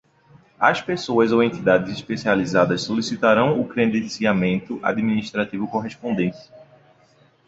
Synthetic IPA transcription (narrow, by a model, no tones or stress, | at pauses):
ɐspesoɐzowẽnt̪id̪ad̪ɪziʃpesializad̪ɐssolisit̪aɾɐ̃w̃ʊkɾẽnd̪ẽsiamẽnt̪ʊʔa̰d̪mĩniʃt̪ɾat̪ivʊkoɦespõnd̪ẽt̪ɪ̥